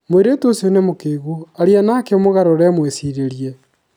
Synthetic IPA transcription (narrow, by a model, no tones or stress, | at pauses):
mweɾetuosionemokeːɣoaɾianakeomoɣaɾoɾɛmwesiɾeɾiɛ